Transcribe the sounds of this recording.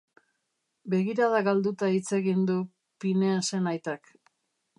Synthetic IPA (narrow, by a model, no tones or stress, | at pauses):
be̞ɣiɾaðaɣald̪ut̪ait͡se̞ɣind̪u | pinease̞najt̪ak